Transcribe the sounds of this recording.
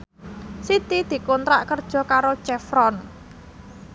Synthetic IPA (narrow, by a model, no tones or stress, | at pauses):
sit̪id̪̥i̤kɔnt̪ɾa̰ʔkərd̥ʒ̥ɔ̤kaɾo̥t͡ʃɛfɾɔn